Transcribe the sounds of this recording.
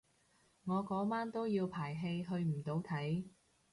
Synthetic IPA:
ŋɔː˨˧kɔː˨˥maː˥nt̪o˥wjiː˧wpʰaː˨˩jɦe˧jɦɵ˧ɥm̩˨˩t̪o˨˧˥wt̪ʰɐ˨˥j

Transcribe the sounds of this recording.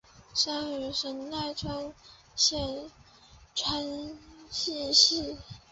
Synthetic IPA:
ʂa˥ŋy˨˩ʂə˧˥nt̪a˥˩ɪʈ͡ʂʰa˥ŋ | ɕjɛ˥˩n | ʈ͡ʂʰwa˥nɕi˥˧ɕi˥˩

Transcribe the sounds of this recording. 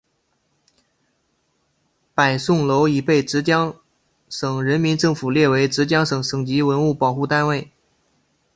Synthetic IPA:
pa˨˩ɪsʊ˥˩ŋlo˧˥ʊi˨˩pe˥˩ɪʈ͡ʂɻ̩˧˥t͡ɕjɑ˥ŋ | ʂɤ˨˩ŋɻə˧˥nmi˧˥nʈ͡ʂɤ˥˩ŋfu˨˩ljɛ˥˩we˧˥ɪʈ͡ʂɻ̩˧˥t͡ɕjɑ˥ŋʂɤ˨˩ŋʂɤ˨˩ŋt͡ɕi˧˥wə˧˥nu˥˩pɑ˨˩ʊxu˥˧t̪a˥˧nwe˥˩ɪ

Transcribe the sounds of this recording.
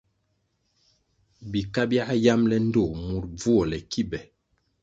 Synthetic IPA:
bi˨ka˦bja˦ja˦mlɛ˦n̩˦do˦˨mu˨ɾb͡vu˦ɔ˨lɛ˨ki˦bɛ˨

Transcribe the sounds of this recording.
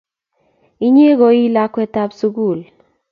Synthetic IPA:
i˦ɲe˦ɡo˨i˦la˦kːɛ˦ta˦psu˦ɡu˦˨l

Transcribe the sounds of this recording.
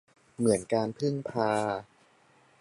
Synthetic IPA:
mɯ˩˦ənkaː˧npʰɯ˥˩ŋpʰaː˧

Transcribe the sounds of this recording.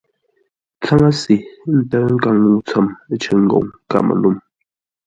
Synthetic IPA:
t͡sa˦ŋa˦si˨n̩˦tə˦ŋ̩˦ka˦˨ŋnu˦˨t͡sə˦˨m˦t͡ʃə˨ŋ̩˦ɡo̰˨ŋka̰˨mə̰˨lu˦˨m

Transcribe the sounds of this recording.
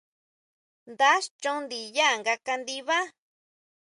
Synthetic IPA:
nd̪a˦ʃt͡ʃõ˦nd̪i˨ja˦˨ŋɡa˧ka˧nd̪i˧βa˦

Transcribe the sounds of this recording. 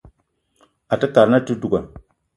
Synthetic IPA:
a˨tɨ˦ka˨ɾna˦tu˦du˨ɡa˨n

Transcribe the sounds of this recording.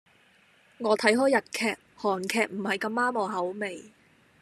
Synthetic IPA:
ŋɔː˨˧t̪ʰɐ˨˥jɦɔː˥jːɐ˨t̚kʰɛː˨k̚hɔː˨˩nkʰɛː˨k̚m̩˨˩hɐ˨jkɐ˧mːaː˥mɔː˨˩ɦɐ˨˥wme˨j

